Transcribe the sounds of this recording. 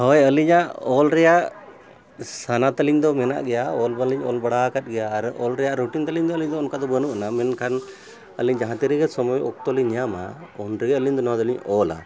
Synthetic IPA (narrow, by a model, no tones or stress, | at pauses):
hɔjəliɲaʔɔlɾɛjaʔ | sanat̪əliɲd̪ɔmɛna̰ʔɡɛjaɔlbaliɲɔlbaɽakat̪̚ɡɛjaːɾɔ̰lɾɛjaʔɾuʈint̪əliɲd̪ɔəliɲd̪ɔɔnkad̪ɔbənuʔanamɛnkʰan | əliɲd͡ʒaɦãt̪iɾiɡɛsɔmɔjʔɔk̚t̪ɔliɲjama̰ɔnɾɛɡəliɲd̪ɔnɔat̪əliɲɔla̰